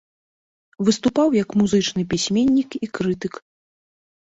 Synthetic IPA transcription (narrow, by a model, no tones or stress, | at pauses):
vɨst̪upawjɐkmuzɨt͡ʂnɨpʲisʲmʲenʲːikikɾɨt̪ɨk